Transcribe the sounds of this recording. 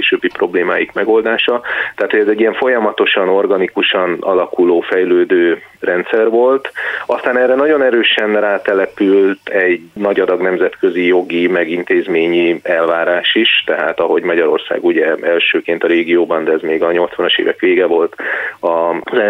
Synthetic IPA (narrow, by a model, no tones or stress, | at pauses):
eːʃøbːipro̞bleːma̰ːjikmɛɡo̞ld̪aːʃɒt̪ɛaːt̪hoɟɛzɛɟːiɛɱfo̞jɒmɒt̪o̞ʃɒno̞rɡɒnikuʃɒnɒ̰lɒkuloːfɛjløːd̪øːrɛnt̪sɛrvo̞lt̪ɒst̪aːnɛːrːɛnɒɟo̞nɛɾøːʃɛnraːt̪ɛlɛpylt̪ʰɛɟnɒɟɒd̪ɒɡnɛmzɛt̪køzijo̞ɡimɛɡint̪eːzmeːɲiɛlvaːɾaːʃiʃt̪ɛɦa̰ːt̪ɒɦo̞ɟmɒɟɒɾo̞rsa̰ːɡuɟɛɛlʃøːkeːnt̪ɒɾeːɡijoːbɒnd̪ɛɛzmeːɡɒɲo̞lt̪sʋɒnɒʃḛːvɛkʋeːɡɛvo̞lt̪ɒzɛ